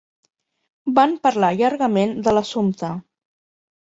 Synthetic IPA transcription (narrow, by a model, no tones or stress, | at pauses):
bampəɾlaʎaɾɣəmend̪ələsumt̪ə